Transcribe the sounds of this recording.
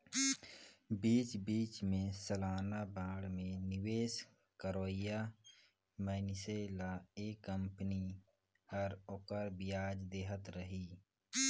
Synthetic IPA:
biːt͡ʃbiːt͡ʃmẽsəlaːnabãːɽmẽnɪweːs | kəɾoːɪja | məːnɪseːlaeːkːə̃mpəni | həɾoːkəɾbɪjaːd͡ʒd̪eːɦət̪ɾəɦiː

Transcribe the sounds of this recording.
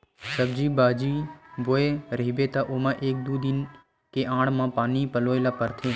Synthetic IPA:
səbd͡ʒiːbaːd͡ʒiboːeɾəɦibet̪aʔoːmãʔeːk̚d̪uːd̪ɪn | keʔãːɽ̤mãpaːnipəloːelapəɾt̪ʰeː

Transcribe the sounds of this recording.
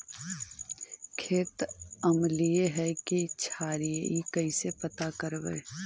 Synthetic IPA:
kʰeːt̪əmlieɦɛkit͡ʃʰaːɾijikɐisepət̪akəɾbḛː

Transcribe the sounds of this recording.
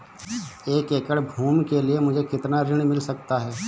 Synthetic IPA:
eːkeːkəɽbʱuːmkeliemʊd͡ʒʱekɪt̪naɾɪɽ̃mɪlsɐk̚t̪aɦɛː

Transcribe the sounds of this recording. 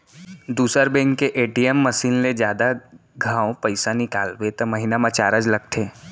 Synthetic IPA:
d̪uːsəɾbẽːŋkeʔeːʈiemːɐsiːnled͡ʒjaːd̪aɡʱãːõpɐɪsanɪkaːlbet̪omɐɦinamãt͡ʃa̰ːɾəd͡ʒlɐɡ̚t̪ʰeː

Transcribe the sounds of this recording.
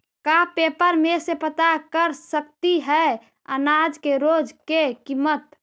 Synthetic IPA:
kapepəɾmesepət̪akəɾsəkt̪iɦɛ | ənad͡ʒkeɾod͡ʒkekimət̪

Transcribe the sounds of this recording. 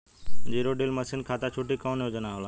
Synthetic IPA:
d͡ʑiːɾoɖelməsɪnkʰaːt̪at͡ʃʰuʈikɔːnɦod͡ʒənaɦolaː

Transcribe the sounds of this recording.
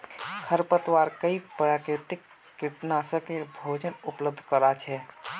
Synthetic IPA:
kʰəɾpət̪waɾkəipɾaːkɾɪt̪ɪkː | iʈnasə̃kebʱod͡ʒənupləb̚d̪ʱkəɾat͡ʃʰɛ

